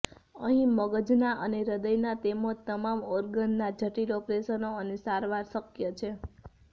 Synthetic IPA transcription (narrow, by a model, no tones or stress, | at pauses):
əɦĩməɡəd͡ʒnaʔəneɾəd̪əjnat̪emot̪əmamɔɾɡənːad͡ʒʱəʈiɾopɾesənoənesaɾʋaɾsəkjət͡ʃʰe